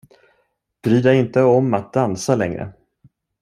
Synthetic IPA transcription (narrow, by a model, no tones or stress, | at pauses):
b̥ɾyːd̪ɛjɪnt̪əɔmːat̪̚d̪ansalɛŋɾə̰